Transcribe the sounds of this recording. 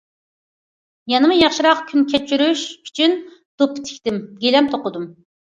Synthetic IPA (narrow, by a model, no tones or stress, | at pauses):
jɑnɨmujɑχʃiɾɑqkʲʰynkʲʰɛt͡ʃʰyɾyʃy̥t͡ʃʰynd̪̥opʰːɪ̥t̪ʰɪ̥kʲt̪ɪmɡʲelɛmt̪ʰoqʊd̪um